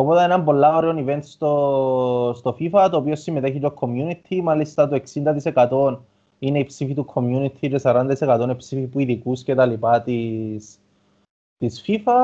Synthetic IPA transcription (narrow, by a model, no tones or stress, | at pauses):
opot̪ɐenɐmbo̞lːɐoɾeo̞nive̞nt̪st̪o | st̪o̞fifɐt̪oːpiosːimeeçit͡ʃokʰːo̞mjunit̪ʰimalist̪ɐt̪oe̞ksind̪ɐt̪ise̞kɐt̪o̞n | ine̞ipsifit̪ukʰo̞mjunit̪ʰit͡ʃesɐɾɐnd̪ɐt̪isekɐt̪o̞nepsifipuiðikuscet̪ɐlipɐt̪is | t̪isfifɐ